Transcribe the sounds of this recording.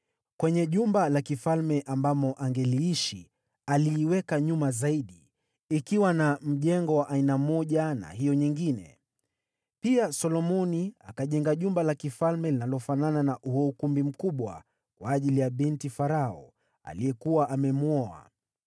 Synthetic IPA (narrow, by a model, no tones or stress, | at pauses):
kwɛɲɛʄumbalakifalmɛʔambamɔʔaŋɡɛliiʃi | aliːwɛkaɲumazaiɗiː | kiwanam̩ʄɛŋɡɔwaʔainamɔʄana̰ɦijɔɲiŋɡinɛ̰ | piasɔlɔmɔnia̰kaʄɛŋɡaʄumbalakifalmɛlinalɔfanananaʔuhɔukumbim̩kuɓwa̰ | kwaːʄilijaɓintifaɾaɔ | a̰lijɛkuwaʔamɛmuɔa̰